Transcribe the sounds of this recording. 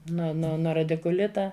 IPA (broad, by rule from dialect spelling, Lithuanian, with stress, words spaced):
noː noː ˈnoː rɐdʲɪkʊˈlʲɪtɐ